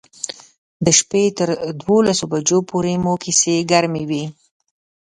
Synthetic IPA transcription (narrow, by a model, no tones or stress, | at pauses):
d̪əʃpet̪əɾd̪wolasobad͡ʒopʰoɾemokʰiseɡaɾmewi